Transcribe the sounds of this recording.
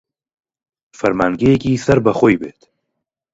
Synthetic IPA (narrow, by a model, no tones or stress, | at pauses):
fɐɾmaːŋɡejekiːsɐɾbɐxoːjbeːt̪